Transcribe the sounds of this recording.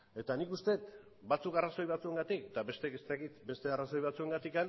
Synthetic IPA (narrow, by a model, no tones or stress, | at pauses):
e̞t̪anikust̪e̞t̪ | bat͡sukaraso̞jβat͡sue̞ŋɡat̪ikd̪aβe̞st̪ekest̪akit̪be̞st̪e̞araso̞jβat͡sue̞ŋɡat̪ikan